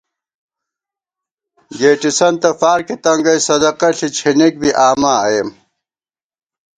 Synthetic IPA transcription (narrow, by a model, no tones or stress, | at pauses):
ɡeːʈisɐnt̪ɐfaːɾkit̪ɐŋɡɐjsɐd̪ɐqɐɬit͡ɕʰinik̚biʔaːmaːjem